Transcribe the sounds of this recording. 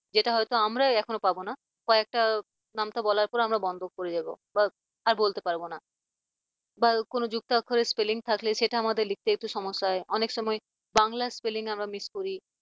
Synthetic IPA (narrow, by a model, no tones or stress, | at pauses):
d͡ʑeʈaɦɔjt̪oamɾaɛkʰonopabona | kɔeek̚ʈa | namt̪abɔlaɾpɔɾamɾabɔnd̪ʱok̚koɾed͡ʑabo̰ | ba | aɾbolt̪epaɾbona | bakonod͡ʑuk̚t̪akʰːoɾespeliŋt̪ʰakleʃeʈaamad̪eɾlik̚t̪eek̚ʈuʃɔmoʃːaeɔnekʃɔmɔe | baŋlaspeliŋamɾamiskoɾi